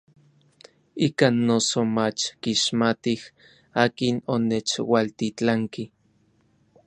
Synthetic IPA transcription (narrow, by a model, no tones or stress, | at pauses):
iːkanːosomat͡ʃkiʃmat̪ih | aːkinonet͡ʃwalt̪it͡ɬaŋki